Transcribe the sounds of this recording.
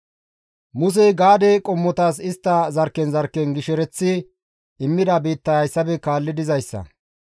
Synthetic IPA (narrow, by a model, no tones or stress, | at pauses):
mʊs̬ɛɡaːd̪ɛkʼɔmːɔt̪asɪst̪ːɐzɐɾkːɛnzɐɾkːɛnɡɪʃɛɾɛt͡sːɪ | ɪmːɪd̪ɐbiːt̪ːɐɐjsːɐbɛkaːlːɪd̪ɪzɐjsːɐ̰